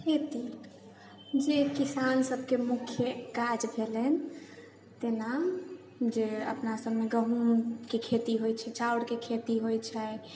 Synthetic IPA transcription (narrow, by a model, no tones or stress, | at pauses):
ket̪i | d͡ʒekisansəbkemukʰjəkad͡ʒbʱelɛn | t̪ena | d͡ʒeə̰pnasəbmeɡəɦumkekʰet̪iɦojt͡ʃʰɛt͡ʃauɽkekʰet̪iɦojt͡ʃʰɛ